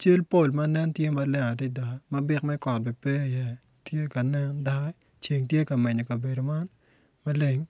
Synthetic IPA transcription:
t͡ʃe˦lpo˦˨lma˦nɛ˦ntje˦ma˨lɛ˦ŋa˨ti˦da˨kma˦bɪ˦kmɛ˦kɔ˨t̚bi˨pɛ˦i˨jɛ˦ | tje˦ka˨nɛ˦nda˦kɛ˦ | t͡ʃe˨ŋtje˦ka˨mɛ˨ɲo˨ka˨be˨do˨ma˦n | ma˦le˨ŋ

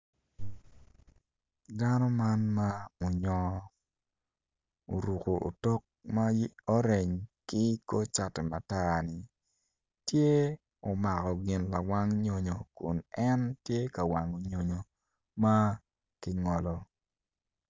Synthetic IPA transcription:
da˦nɔ˦ma˦nma˦mo˨ɲɔ˨ | o˨ɾu˨ko˨ʔo̰˨tɔ˦k̚ma˦ɔ˦ɾe˨ɲkɪ˦ko˦t͡ʃa˨tɛ˨ma˨ta˦nɪ˨ | tje˦ | o˨ma˨kɔ˨ɡɪ˨nla˨wa˦ŋɲo˨ɲo˨kṵ˨nɛ˦ntje˦ka˨wa˨ŋo˨ɲo˨ɲo˨ | ma˦ | kɪ˦ŋɔ˨lɔ˨

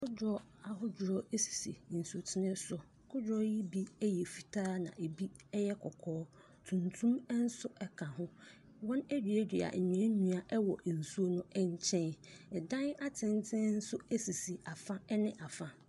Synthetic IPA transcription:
kʰʊ˦dɾɔ˦ | a˨ɦʊ˦d͡ʑɾɔ˦e˦si̥˨sḭ˨n̩˨so˨tʰɪ˦nɪ̃˦sɔ˨ | kʰʊ˦d͡ʑɾɔ˦ji˦bi˦ɛ˦jɛ˨fi˨tʰaː˦nã̰˨ʔe˨bi˦ | ɛ˦jɛ˦kʰɔ˨kʰɔː˦ | tʰũ˨ntʰũ˦m˦n̩˦sʊ˦ɛ˦kʰã˨ɦʊ̃˦ | wɔ̃˦nɛ˦di˨e˦di˨a̰˨ɲ̩˨ɲᶣ˨ɛ̃˦ɲũ˦a˨ʔɛ˦wɔ˨ʔn̩˨su˦o˦nʊ̃˦ɛ˦ɲ̩˦˨t͡ɕʰɛ̃˦nɛ˨dã˦na˦tʰɪ̃˦n˦tʰɪ̃˦n̩˦sʊ˦ɛ˦si˨si˨a˨fã˦ɛ˦nɪ̃˦ʔa˨fã˦

